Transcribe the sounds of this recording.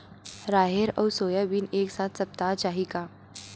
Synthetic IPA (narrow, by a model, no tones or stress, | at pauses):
ɾaɦeɾə̰wsoːjəbiːneːksat̪ʰsəp̚t̪at͡ʃaɦika